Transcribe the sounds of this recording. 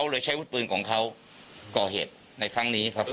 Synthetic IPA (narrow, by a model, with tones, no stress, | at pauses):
wlɤː˧jt͡ɕʰa˦˥jwu˦˥t̪̚pɯː˧nkʰɔː˩˦ŋkʰa˦˥w | kɔː˨˩ɦḛː˨˩t̪̚ | na˧jkʰɾa˦˥ŋniː˦˥kʰa˦˥p̚